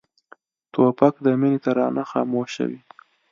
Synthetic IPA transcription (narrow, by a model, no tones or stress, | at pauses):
t̪opakd̪əminet̪aɾɑ̰naxɑmoʃə̰wi